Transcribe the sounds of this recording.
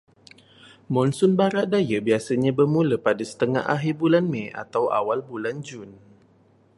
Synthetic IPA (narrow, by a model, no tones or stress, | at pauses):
mɔnsʊnbaɾaʔdajabiasaɲabəmulapadasə̥t̪əŋa̰ɦa̰ɦirbulanmɛa̰t̪awa̰walbuland͡ʒun